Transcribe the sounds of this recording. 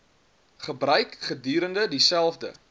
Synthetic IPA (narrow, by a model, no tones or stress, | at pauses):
χəbrœɥkχədyːɾəndədisælˠfdə̰